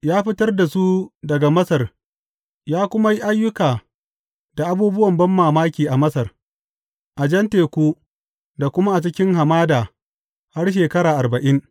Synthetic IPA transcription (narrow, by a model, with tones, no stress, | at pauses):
jaː˦ɸɪ˦tɐ˦rda˨su˦dɐ˨ɡa˨mɐ˦sɐ˨r | jaː˦kʷʊ˦ma˦ji˦ʔa˦jːʊ˦kaː˨ | da˨ʔa˨buː˦bʊ˦wɐ˨mbɐ˦mːaː˨maː˦kʲiː˨ʔa˨mɐ˦sɐ˨r | ʔa˨d͡ʒɐ˦nteː˨kʷuː˦ | da˨kʷʊ˦ma˦ʔa˨t͡ʃɪ˦kʲɪ˦ŋɦa˨maː˦daː˨ | ha˦rʃ̬eː˨kɐ˦ɽaː˨ʔa˨rbɐ˨ʔɪ˦ŋ